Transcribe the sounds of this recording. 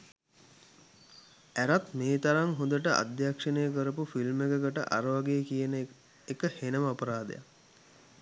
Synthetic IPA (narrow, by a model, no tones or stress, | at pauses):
æɾat̪meːt̪aɾaŋɦõnd̪əʈəʔa̰d̪jakʂənəjəkəɾəpufilmekəkəʈə̰ʔa̰ɾəʋaɡeəkijənə | ekəhenəməapəɾaːd̪ḛja̰